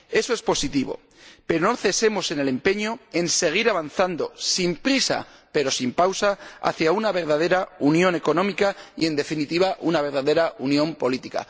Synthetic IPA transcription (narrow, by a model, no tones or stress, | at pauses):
e̞so̞espo̞sit̪iβo̞̰ | pe̞ɾonoθe̞se̞mo̞se̞ne̞le̞mpe̞ɲo̞e̞nse̞ɣ̞iɾaβanθand̪o̞simpɾisa̰pe̞ɾo̞simpawsaa̰θjaunaβe̞ɾð̞að̞e̞ɾaunjo̞ne̞ko̞nõmikaie̞nd̪e̞finit̪iβ̞aʔunaβe̞ɾð̞aðe̞ɾaunjõ̞mpo̞lit̪ika̰